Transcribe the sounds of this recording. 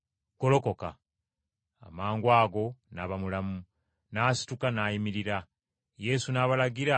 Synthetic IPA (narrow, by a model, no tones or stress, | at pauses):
ko̞lo̞ko̞ka̰ | a̰maːŋɡwaːɡo̞naβamulamu | naːsi̥tukanaːjimiɾiɾa | je̞sunaːβalaɡiɾa